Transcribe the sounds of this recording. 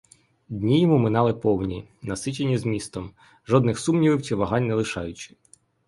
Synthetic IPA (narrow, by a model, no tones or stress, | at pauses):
d̪ʲnʲijɔmumɪnɑlˠɪpɔwnʲinɐsɪt͡ʃenʲizmʲist̪ɔm | ʒɔd̪nɪxsumnʲiʋɪwt͡ʃiʋɐɦɑnʲnɛlˠɪʃɑjʊt͡ʃɪ̥